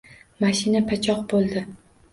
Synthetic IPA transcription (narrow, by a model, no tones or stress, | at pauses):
maʃɪnapʰat͡ʃʰɒq̚bolˠd̪ɪ